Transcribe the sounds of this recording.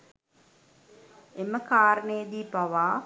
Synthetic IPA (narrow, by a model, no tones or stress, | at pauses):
eməkaːɾənəjd̪iːpaʋaː